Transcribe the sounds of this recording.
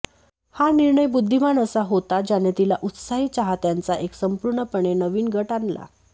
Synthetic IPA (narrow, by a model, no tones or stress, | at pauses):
haniɾɳəjbud̪ʱːimanəsaɦot̪ad͡ʑanet̪ilaʔut̪saɦiːt͡ɕaɦat̪jant͡saʔeksəmpuɾɳəpəɳenəʋiːnɡʱəʈanla̰